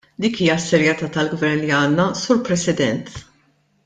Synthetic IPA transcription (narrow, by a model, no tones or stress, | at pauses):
d̪iːkiːjɐsːɛɾjɛt̪ɐːt̪ɐlɡvɛɾnliɐːnːɐsuːɾpɾɛsɪd̪ɛnt̪